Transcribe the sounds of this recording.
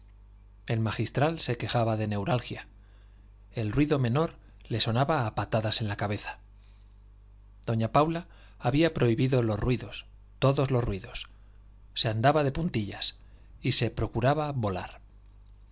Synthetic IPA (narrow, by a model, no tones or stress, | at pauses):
e̞lmaxist̪ɾalse̞ke̞xaβaðe̞ne̞wɾalxja | e̞lrwiðo̞mẽ̞no̞ɾ | le̞so̞naβaːpat̪aðase̞nlakaβe̞θḁ | d̪o̞ɲapawlaː | βiapɾo̞iβiðo̞lozrwiðo̞s | t̪o̞ðo̞zlo̞zrwiðo̞sː | e̞and̪aβaðe̞punt̪iʎa̰s | ise̞pɾo̞kuɾaβaβo̞la̰ɾ